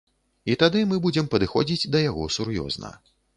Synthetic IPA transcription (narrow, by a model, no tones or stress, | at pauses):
it̪ad̪ɨmɨbud͡zʲɛmpɐd̪ɨxɔd͡zʲid͡zʲd̪ɐjaɣɔsuɾjɔ̰znɐ̰